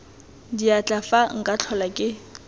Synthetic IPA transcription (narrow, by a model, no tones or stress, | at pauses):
diat͡ɬʼafaŋ̩kʼat͡ɬʰɔlakʼɪ